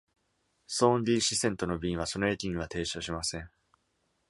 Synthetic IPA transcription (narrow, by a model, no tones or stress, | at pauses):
sõ̞ːndʲiːɕisẽ̞nt̪o̞no̞bʲĩɰ̃β̞aso̞noet̪ʲĩɲĩβat̪e̞ːɕoɕimasẽ̞ɴ